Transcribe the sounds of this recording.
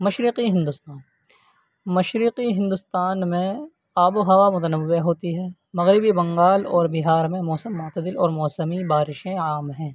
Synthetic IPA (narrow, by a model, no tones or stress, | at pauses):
mɐʃɾɪqiɦɪ̃nd̪ʊst̪aːn | mɐʃɾɪqiɦɪ̃nd̪ʊst̪aːnmẽ | aːboɦɐʋamʊt̪ənəʋːeɦoːt̪iɦɛː | mɐɣɾɪbibɐ̃ŋɡaːlɔːɾbiɦaːɾmẽmɔːsəmːʊt̪əd̪ɪlɔːɾmɔːsəmibaːɾɪʃẽaːmɦɛ̃ː